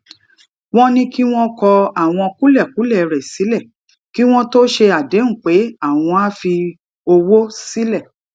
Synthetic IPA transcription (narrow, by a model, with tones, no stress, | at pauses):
w̃ɔ̃˦nĩ˦ki˦w̃ɔ̃˦kɔ˧a˦˨w̃ɔ̃˧ku˦lɛ˦˨ku˨˦lɛ˦˨ɾɛ˨si˨˦lɛ˦˨ | ki˦w̃ɔ̃˦to˦ʃe˧a˨dẽ˨˦˨k͡pe˨˦a˦˨w̃ɔ̃˧a˦fi˧ | o˧wo˦si˦lɛ˦˨